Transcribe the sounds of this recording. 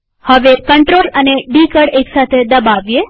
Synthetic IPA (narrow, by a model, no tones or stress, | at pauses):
həʋekəɳʈɾoləneɖikəɽeksat̪ʰed̪əbaʋje